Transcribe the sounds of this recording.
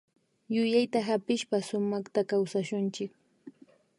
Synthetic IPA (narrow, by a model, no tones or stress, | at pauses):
jʊjajt̪aɦapɪʃpasʊmɑχt̪akawsaʃʊnt͡ʃɪk